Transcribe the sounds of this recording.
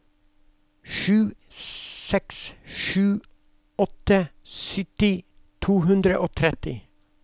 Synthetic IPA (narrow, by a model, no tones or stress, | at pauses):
ʃʉː | sɛksʃʉː | ɔt̪ə | sʏt̪ɪ | t̪ʰuːhʉnd̪ɾəʔoːt̪ʰɾɛt̪ɪ